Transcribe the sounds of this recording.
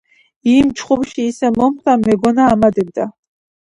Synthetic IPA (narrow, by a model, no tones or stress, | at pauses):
imt͡ʃχubʃiːsɛmɔmχt̪amɛɡɔnaːmad̪ɛb̚d̪a